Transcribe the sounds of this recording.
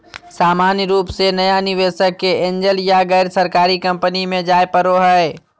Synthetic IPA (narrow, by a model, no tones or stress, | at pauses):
saːmaːnjəɾuːpsenɐjanɪʋeːʃəkːeɪ̃ɲd͡ʒəljaɡɛːɾsəɾkaːɾikɐ̃mpənimẽd͡ʒaːjpəɾoɦɛe